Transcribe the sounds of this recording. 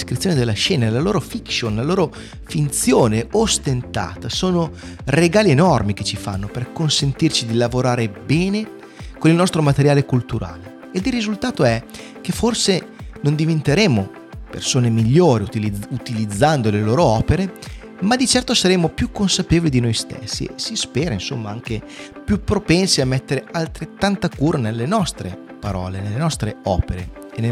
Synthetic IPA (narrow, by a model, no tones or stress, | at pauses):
skɾit̪sjoːned̪elːaʃɛːnaelaloːɾofikʃonlaloːɾo | fint̪sjoːneost̪ent̪a̰ːt̪asoːno | reɡaːlienɔrmiket͡ʃifa̰nːoperkonsent̪irt͡ʃid̪ilavoɾaːɾebɛːne | konilnɔst̪ɾomat̪eɾjaːlekult̪uɾa̰ːle | eld̪irizult̪aːt̪oɛ | k̟eforsenond̪ivent̪eɾeːmo | pḛrsoːnemiʎːoːɾiut̪iliut̪ilid̪zːand̪oleloːɾoɔːpeɾe | mad̪it͡ʃɛrt̪osaɾemːopjukːonsapeːvolid̪inojst̪ḛsːḭḛsispɛːɾainsomːaaŋk̟e | pjupːɾopɛnsiamːɛt̪ːeɾealt̪ɾet̪ːant̪akuːɾanelːenɔst̪ɾḛ | paɾɔ̰ːlenelːenɔst̪ɾeɔːpeɾḛ | ene